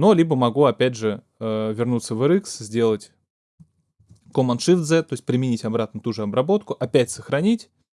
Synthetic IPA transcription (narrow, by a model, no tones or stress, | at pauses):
nolʲibəmɐɡuɐpʲædʲʐɨ | əvʲɪrnut̪səvɨɾɨkszʲdʲe̞lˠətʲ | komɐnʂɨvd̪zɛt̪o̞ɪs̚ʲpɾʲɪmʲɪnʲitʲɐbɾat̪̚nət̪uʐɨɐbɾɐbo̞t̪kʊʔɐpʲætʲsəxɾɐnʲitʲ